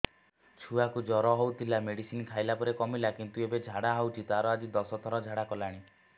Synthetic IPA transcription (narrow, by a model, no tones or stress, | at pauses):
t͡ʃʰuakud͡ʒɔɾɔɦowt̪ʰilameɽisinkʰajlapɔɾekɔmilakint̪uebed͡ʒʱaɽaɦɔwt͡ʃʰit̪aɾɔad͡ʒid̪ɔsɔt̪ʰɔɾɔd͡ʒʱaɽakɔlaɽ̃i